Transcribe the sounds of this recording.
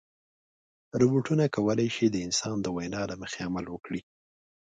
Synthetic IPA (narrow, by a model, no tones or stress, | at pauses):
ɾʊbuʈunakawəlajʃid̪əɪnsɑnd̪əwajnɑlaməxeamalwəkɽi